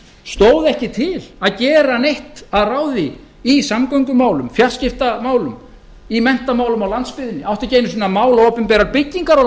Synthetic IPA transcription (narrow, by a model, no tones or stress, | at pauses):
st̪oːwðɛhcɪt̪ʰɪlaðcɛːɾanejht̪aðraːwðɪː | samkaɥŋkʏmaːwlʏmfjar̥scɪft̪amaːwlʏm | imɛn̥t̪amaːwlʏmawlant̪spɪðɪnːɪawht̪ɪceːjnʏs̬iːnamaːwlaoːpʏmpɛːɾaɾpɪcːiŋkaɾɔ